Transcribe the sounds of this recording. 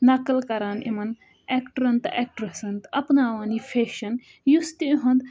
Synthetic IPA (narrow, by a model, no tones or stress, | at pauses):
nɐkəlkɐɾaːnḭmɐn | ekʈɐɾɐnt̪eːk̚ʈɾɐsɐnt̪ɐpnaːʋaːniːfʰeːʃɐn | just̪iuɦɐ̃nd̪